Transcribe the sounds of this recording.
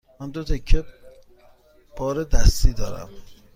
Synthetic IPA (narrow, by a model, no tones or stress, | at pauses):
mænd̪ot̪ʰekʰːe | b̥ɒːɾed̪æst̪iːd̪ɒːɾæ̰m